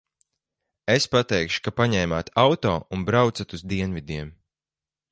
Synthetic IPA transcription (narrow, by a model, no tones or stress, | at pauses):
espat̪ɛjkʃu̥kapaɲɛjmaːt̪awt̪ɔːʔunbɾawt̪sat̪uzd̪iɛnvid̪iɛm